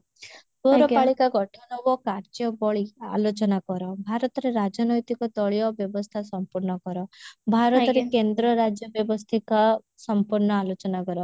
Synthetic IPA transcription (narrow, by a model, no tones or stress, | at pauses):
tɔɾɔpaɭikaɡɔʈʰɔnɔbɔkaɾt͡ʃiɔbɔɭia̰lot͡ʃɔnakɔɾɔbʱaɾɔt̪ɔɾeɾad͡ʒɔnɔjt̪ikɔt̪ɔɭijɔbjɔbɔst̪ʰasɔmpuɾnɔkɔɾɔbʱaɾɔtɾɔɾekend̪ɾɔɾad͡ʒjɔbjɔbɔst̪ʰika | sɔmpuɾɳɔalot͡ʃɔnakɔɾɔ